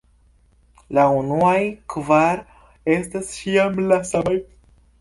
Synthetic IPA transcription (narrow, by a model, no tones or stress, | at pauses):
launuajkvaɾ | e̞stast͡ʃiamlasamaj